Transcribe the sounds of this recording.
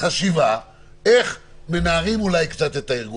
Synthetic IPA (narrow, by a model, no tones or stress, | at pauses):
χaʃiva | e̞χme̞meaʁimulajkt͡sat̪e̞t̪aiʁɡu